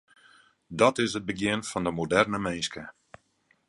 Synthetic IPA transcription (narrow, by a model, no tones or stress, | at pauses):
dɔtɪsət̚bəɡjɪnfɔndəmodɛrnəmejskə